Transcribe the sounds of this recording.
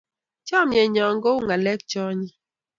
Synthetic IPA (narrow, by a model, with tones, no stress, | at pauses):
t͡ʃɔ˦˨mjɛ˨ɲɔ˨ŋɡo˦ŋa˨lɛ˦k̚t͡ʃɔ˦ɲi˦